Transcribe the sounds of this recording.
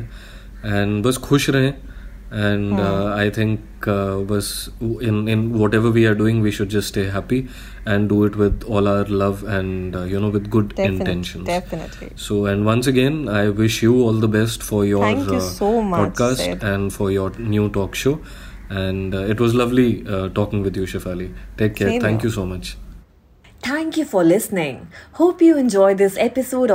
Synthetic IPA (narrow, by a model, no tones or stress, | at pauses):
ɛ̃ɳɖbʌskʰʊʃɾɐɦẽ | ɛ̃ɳaɪt̪ʰɪ̃ŋk | ʋʌsɪ̃nɪ̃nʋɔːʈɛʋəɾʋiːaɾɖuːɪ̃ŋʋiːʃʊɖ̚d͡ʒɐstsʈeːɦæpi | ɛ̃ɳɖɖuːɪʈʋɪd̪ɔːlaʊəɾlʌʋɛ̃ɳjunoːʋɪd̪ɡʊɖɪ̃ɳʈɛ̃nʃə̃n | soːɛ̃ɳɖʋʌ̃ns̬əɡẽnaɪʋɪʃjuɔːld̪əbɛsʈfɔɾjɔ̃ɾŋoɔːɖ̚kaːsʈɛ̃ɳɖfɔɾjɔɾnjuːʈɔːkʃoː | ɛ̃ɳɖɪʈʋɔzlʌʋliʈɔːkɪ̃ŋʋɪd̪juʃefaliʈeːk̪ːɛːɾt̪ʰæ̃ŋkjusoːmʌt͡ʃ | t̪ʰæ̃ŋkjufɔɾlɪsnɪ̃ŋhoːpjuɛ̃nd͡ʒɔɪd̪ɪsɛpɪsoːɖ